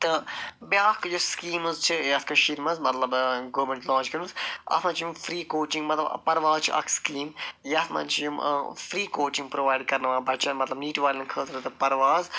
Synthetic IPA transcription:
t̪ɨbjaːkd͡ʒoskiːmuzt͡ʃʰijɐt̪kɐʃiɾmɐzmɐt̪lɐbɡoːmẽɳʈlɔ̃ːnt͡ʃkɐɾmzɐ̰t̪ʰmɐ̃nt͡ʃʰjumfɾiːkoːt͡ʃĩŋɡmɐt̪lɐb̰pɐɾʋaːzt͡ʃʰḭʔɐ̰kʰskiːmjɐt̪ʰmɐ̰nt͡ʃʰijum̰fɾiːkoːt͡ʃĩŋɡpɾoʋaːjɖ̚kɐɾnɐʋãːbɐt͡ʃʰɐnmɐt̪lɐbniːʈʋaːlɐnkʰəːt̪ɾɐt̪ɐpɐɾʋaːz

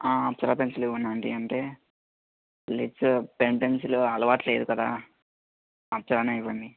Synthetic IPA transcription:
aːɐp̚t͡ʃɐɾaːpensileunːaɳɖḭɐɳʈeː | liʈspeɳpensloɐlɐʋaːʈle̞ːd̪ukɐd̪a̰ː | ɐp̚t͡ʃɐɾaːnɐiʋɐɳɖi

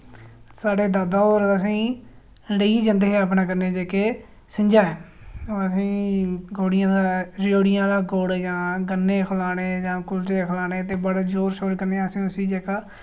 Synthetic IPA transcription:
saːɖeːd̪aːd̪aːoːɾəs̬ĩː | ɽeiːd͡ʒə̃nd̪eɦeːəp̬ɳaːk̬əɾneːd͡ʒeːkeː | sɪɲd͡ʒaːɛː | oːɾəsĩːɡoːɽɪjãːd̪aːɾoːɽɪjãːlaːɡoːɽd͡ʒãːɡənːeːkʰlaːɽ̃eːd͡ʒãːkʊlteːkʰlaːɽeːt̪̬eːbəɽd͡ʒoːɾsoːɾkəɾneːəsĩːsiːd͡ʒeːkaː

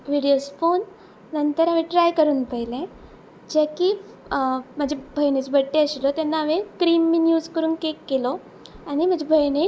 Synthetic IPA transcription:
ʋiɽijosfon | nənt̪əɾaʋeʈɾajkəɾuːnpəilẽ | d͡ʑeki | m̤əd͡ʑebʱəjnet͡sbʱəʈːeəɕilɔt̪anːaəʋekɾimːinjuːd͡zkəɾuːnkekːelɔ | añim̤əd͡ʑebʱəjne

